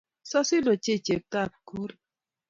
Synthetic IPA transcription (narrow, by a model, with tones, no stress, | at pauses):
sɔ˦si˦lo˨t͡ʃe˦t͡ʃe˨p̚ta˦˨t̚ku˦ɾ